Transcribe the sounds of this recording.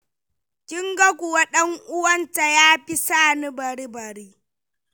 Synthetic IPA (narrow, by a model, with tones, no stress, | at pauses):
kʲɪ˦ŋɡɐ˦kʷʊ˨wa˦ɗɐ˦ŋʔʊ˦wɐ˦nta˨jaː˦ɸi˦saː˦˨ni˦bɐ˨ɾi˦bɐ˨ɾiː˦